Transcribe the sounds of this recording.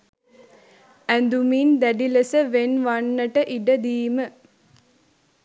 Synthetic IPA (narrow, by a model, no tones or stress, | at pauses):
ænd̪umind̪æɖiləsəʋenʋanːəʈəʔiɖəd̪iːmə